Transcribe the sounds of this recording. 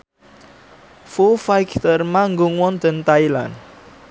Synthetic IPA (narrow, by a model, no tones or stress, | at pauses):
fufajkʰt̪ərmaŋɡuŋwɔnd̪̥ə̤nt̪ajla̰n